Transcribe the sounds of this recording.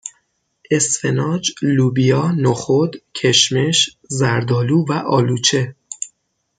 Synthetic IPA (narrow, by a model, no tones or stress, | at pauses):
ʔe̞sfe̞nɒːd͡ʒluːbijɒːnoxod̪cʰeʃme̞ʃ | zæɾd̪ɒːluːvæʔɒːluːt͡ʃʰe̞